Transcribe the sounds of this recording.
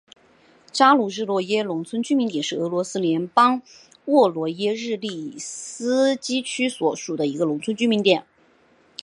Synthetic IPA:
ʈ͡ʂa˥lu˥˩ɻɻ̩˥˧lwɔ˥˩jɛ˥lʊ˧˥ŋt͡sʰwə˥nt͡ɕy˥mi˧˥ŋt̪jɛ˨˩nʂɻ̩˥˩ɤ˧˥lwɔ˧˥sɹ̩˥ljɛ˧˥npɑ˥ŋ | wɔ˥˩lwɔ˧˥jɛ˥ɻɻ̩˥˧li˥˩sɹ̩˥t͡ɕi˥t͡ɕʰy˥swɔ˨˩ʂu˨˩d̪ə˦i˧˥ɡə˧lʊ˧˥ŋt͡sʰə˥nt͡ɕy˥mi˧˥nt̪jɛ˨˩˦n

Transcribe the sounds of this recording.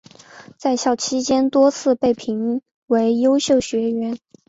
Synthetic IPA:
t͡sa˥˧ɪɕjɑ˥˩ʊt͡ɕʰi˥t͡ɕjɛ˥nt̪wɔ˥t͡sʰɹ̩˥˧pe˥˩ɪpʰi˧˥ŋ | we˧˥ɪjo˥ʊɕjo˥˩ʊɕɥɛ˧˥ɥɛ˧˥n

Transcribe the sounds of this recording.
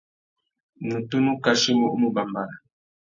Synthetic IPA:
mu˨tu˦nu˦ka˦ʃi˦mu˦ʔmu˦ba˨mba˨ɾa˨

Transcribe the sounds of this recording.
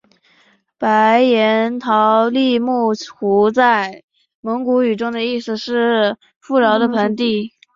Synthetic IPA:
pa˧˥ɪjɛ˧˥nt̪ʰɑ˧˥ʊli˥˧mu˥˩xu˧˥t͡sa˥˩ɪ | mɤ˧˥ŋku˧˥y˨˩ʈ͡ʂʊ˥ŋd̪ə˨i˥˩sɹ̩˨˩ʂɻ̩˥˩ | fu˥˩ɻɑ˧˥ʊd̪ə˧pʰə˧˥nt̪i˥˩

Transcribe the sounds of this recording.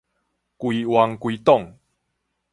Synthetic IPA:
kwi˧wa˧ŋkwi˧t̪ɔ˥˨ŋ

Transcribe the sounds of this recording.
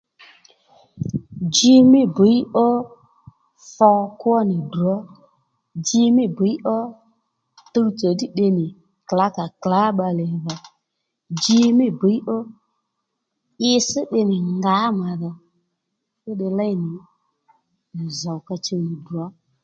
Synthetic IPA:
d͡ʒi˧mɪ˦bə˨˦i˦ɔ˦ | fɔ˧kwɔ˦nɪ˨du˨ɔ˦ | d͡ʒi˧mɪ˦bə˨˦i˦ʔɔ˦ | tə˦˧˦t͡sɔ˨di˦ɗɪ˧nɪ˨ | kla˨˦ka˨kla˨˦ɓa˧lɛ˨ða˨ | d͡ʒi˦mɪ˦bi˨˦i˦ʔɔ˦ | ɪ˧sɪ˦ɗɪ˧nɪ˨ŋɡa˨˦ma˨ðɔ˨ | fʊ˦ɗɪ˧la˦jnɪ˨ | za˨wka˧t͡ʃe˧˨nɪ˨du˨ɔ˨˦

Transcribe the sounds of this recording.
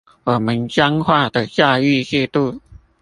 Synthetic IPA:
wɔ˨˩mə˨˦nt͡ɕja˥ŋxwa˥˩d̪ə˨˩t͡ɕja˥˧y˥˧ɕjɛ˥˧t̪u˥˧˨

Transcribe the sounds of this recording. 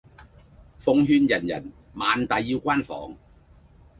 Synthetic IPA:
fʊ˧ŋɦyː˧njɐ˨˩njɐ̰˨˩n | maː˨˧nt̪ɐ˨jːiː˧wkʷwaː˥nfɔ̰ː˨˥ŋ

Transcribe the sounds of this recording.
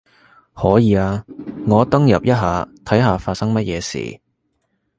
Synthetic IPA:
hɔː˨˥jiː˨˧aː˧ŋɔː˨˧t̪ɐ˥ŋjɐ˨p̚jɐ˥t̚ɦaː˨˧t̪ʰɐ˨˥jɦaː˨faː˧t̚sɐ˥ŋmɐ˥t̚jɛː˨˧sḭː˨˩

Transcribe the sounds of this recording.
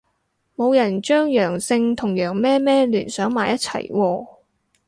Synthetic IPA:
mo˨˧wjɐ˨˩nt͡ʃœː˥ŋjœː˨˩ŋsɪ˧ŋt̪ʰʊ˨˩ŋjœː˨˩ŋmɛː˥mɛː˥lyː˨˩nsœː˨˥ŋmaː˨jɐ˥t̚t͡sʰɐ̰˨˩jwɔː˧

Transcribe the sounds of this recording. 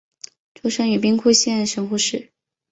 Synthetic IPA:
ʈ͡ʂʰu˥ʂɤ˥ŋy˨˩p̬i˥ŋkʰu˥˧ɪɕjɛ˥˩ʂə˧˥ŋxu˥˧ʂɻ̩˥˩

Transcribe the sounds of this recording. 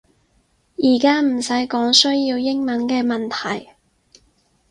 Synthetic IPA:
jiː˨˩kaː˥m̩˨˩sɐ˨˥jkɔː˨˥ŋsɵ˥ɥjiː˧wjɪ˥ŋmɐ˨˥nkɛː˧mɐ˨nt̪ʰɐ˨˩j

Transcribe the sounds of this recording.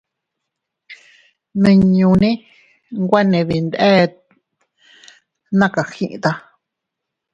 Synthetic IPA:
nĩ˧ɲũ˧nĩ˦ | ŋɡʷa˦nẽ˧βi˧nd̪e˦ | nã˦ka˨xĩ˧ʔḭ̃˧t̪a˧

